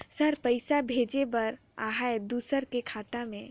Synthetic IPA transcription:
səɾpəɪsabʱeːd͡ʒebɐɾ | aːɦaed̪uːsəɾkekʰaːt̪amẽ

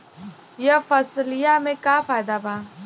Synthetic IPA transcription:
jɐfɐsljamẽkaːfaːjd̪abaː

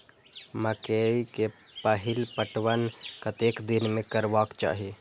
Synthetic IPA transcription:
məkeike | pəɦilpəʈʋənkət̪ekd̪inmekəɾʋakt͡ʃa̰ɦi

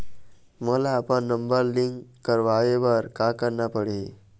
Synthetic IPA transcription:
məlaːpəɳːəmbəɾliŋkkːəɾʋaʋeʋəɾkakəɾɳapəɽ̤i

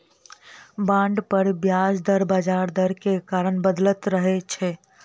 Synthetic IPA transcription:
bãːɳɖpəɾbjad͡ʒd̪əɾbaːd͡ʒaːɾd̪əɾkekaːɾənbəd̪lət̪ɾəɦet͡ʃʰe

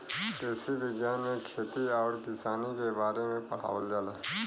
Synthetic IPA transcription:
t̪eːsibɪɡjaːnmẽkʰeːt̪iɔːɾkɪsaːnikebaːɾemẽpɐɽ̤a̰ːʋəld͡ʒaːlaː

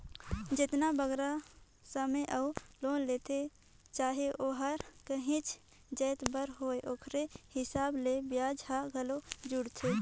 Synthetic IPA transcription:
d͡ʒɪt̪nabəɡɾa | səməjʔəuloːnleːt̪ʰe | t͡ʃaːɦeʔoːɦəɾkəɦɪ̃t͡ʃ | d͡ʒəːt̪bəɾɦoːeʔokʰɾehɪsaːblebjaːd͡ʒɦaɡəlod͡ʒʊɽt̪ʰe

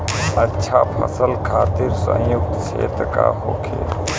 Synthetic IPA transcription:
ɐtːʃʰapʰɐ̰səlkʰaːt̪ɪɾsə̰̃jʊk̚t̪seːt̪əka̰ɦoːkʰḛː

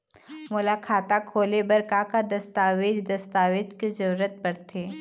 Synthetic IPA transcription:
mʊlakʰaːt̪akʰoːlebɐɾkakad̪ɐst̪aːʋed͡ʒd̪ɐst̪aːʋeːd͡ʒkezɐɾuɾət̪̚bɐɽt̪ʰeː

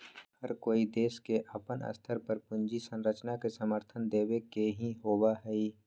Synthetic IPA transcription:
həɾkoːid̪eːskeʔɐpənə̰st̪ʰəɾpəɾpʊ̃ɲd͡ʒisə̃nɾət͡ʃnakesəməɾt̪ʰənd̪eːwekeɦĩɦoːwaɦɛi

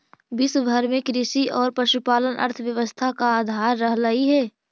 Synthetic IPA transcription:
bɪsbʱəɾmẽkɾɪsiʔɔːɾpɾɐʃupaːlənʔə̰ɾt̪ʰəʋjəʋəst̪ʰakaaːd̪ʱaːɾːəɦləiɦɛː

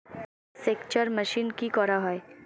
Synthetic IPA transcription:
seːkt͡ʃəɾmɐʃiːnkikɔɾaɦɔe

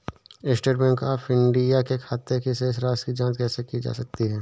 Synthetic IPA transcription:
ɪsʈeːʈbɛ̃ːŋkaːpʰɪ̃ɳɖijakekʰaːt̪ekiseːsɾaːskid͡ʒãːd͡ʒkɛːsekid͡ʒa̰ːsɐk̚t̪iɦɛː

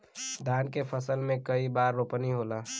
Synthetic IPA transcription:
d̪ʱaːnkepʰəsəlmẽkəibaːɾːopəniɦoːlaː

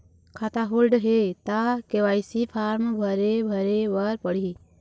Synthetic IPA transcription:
kʰat̪aɦoːlɖɦet̪akeʋaːɪsipʰaːɾmbʱəɾebʱəɾeʋaɾpəɽi

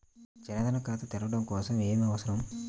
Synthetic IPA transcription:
d͡ʒɐnɐd̪ɐnɐkaːt̪ut̪iɾɐʋɐɽɐmkɔːsɐme̞ːmiɐʋɐsɐɾɐm

